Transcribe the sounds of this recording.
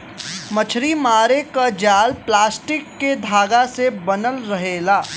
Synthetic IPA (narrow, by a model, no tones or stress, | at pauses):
mɐt͡ʃʰɾimaːɾekad͡ʒaːlplaːsʈɪkːed̪ʱaːɡasebɐnəlɾɐɦeːlaː